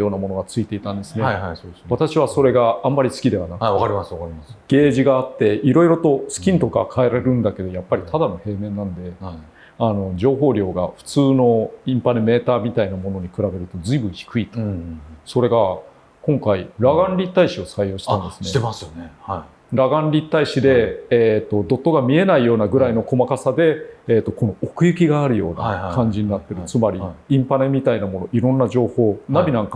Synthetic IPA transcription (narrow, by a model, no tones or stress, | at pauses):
jo̞ːnamo̞no̞ɡat͡sɨit̪e̞it̪ãnd̪e̞sɨne̞asoːdesat̪aɕiβ̞aso̞ɾe̞ɡaamːaɾʲisɨ̥kʲid̪e̞βanakakaɾʲimasakaɾimasɡ̥e̞ːʑiɡaːt̪ːe̞ʔiɾo̞iɾo̞t̪o̞sɨ̥kʲĩnt̪o̞ka̰kʰae̞ɾaɾeɾɯ̟̃nd̪ake̞d̪o̞japːaɾʲit̪ʰad̪ano̞he̞ːmẽ̞nːãnd̪e̞ | ano̞d͡ʑo̞ːɦo̞ːɾʲjo̞ːɡaɸɯ̥t͡sɨːno̞ĩmpaneme̞ːt̪aːmʲit̪ainamo̞no̞ɲ̟ikɯɾabe̞ɾɯ̟t̪o̞zɨibɯ̃çi̥kɯ̟it̪oso̞ɾe̞ɡa | kõ̞ŋkaiɾaɡãnɾʲit̪ːaiɕio̞saijo̞ːɕi̥ãnnd̪esɨ̥neasne | ɾaɡãnɾʲit̪ːaiɕid̪e̞t̪ːo̞d̪o̞t̪ːo̞ɡamʲie̞naijo̞ːnaɡɯ̟ɾaino̞ko̞makasad̪e̞ːt̪ːo̞ko̞no̞okɯ̟jɯ̟kʲiɡaːɾɯ̟jo̞̰ːna̰kʰãɲ̟d͡ʑiɲ̟inat̪ːe̞ɾɯ̟t͡sɨmaɾʲiĩmpane̞mʲit̪ainamo̞no̞ʔiɾõ̞nːad͡ʑo̞ːho̞ːnabʲinãŋka